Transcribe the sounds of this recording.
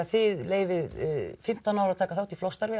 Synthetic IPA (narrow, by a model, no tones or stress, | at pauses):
θɪðleːjvɪðfɪm̥t̪awnawɾawt̪ʰaːkaθawt̪iflɔwst̪aɾvɪ